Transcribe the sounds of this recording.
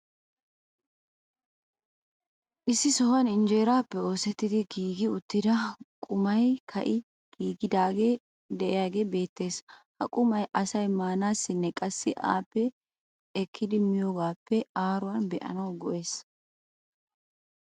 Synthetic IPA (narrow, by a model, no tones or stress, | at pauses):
ʔɪsːɪsɔhɐnɪnd͡ʒe̞ːɾaːpːɛo̞ːsɛt̪ːɪd̪ɪɡiːɡɪʊt̪ːɪd̪ɐkʼʊmɐjkʰɐ̰ʔɪ | ɡ̥iːɡɪd̪aːɡe̞ː | d̪ɛʔɪjaːɡe̞ːbe̞ːt̪ːe̞ːshɐ̰kʼʊmɐjʔɐsɐjmaːnaːsːɪnːɛkʼɐsːɪʔa̰ːpːɛ | ɛkʰːɪd̪ɪmɪjoːɡaːpːɛaːɾʊwɐnbɛʔɐ̰nɐwɡɔʔe̞ːs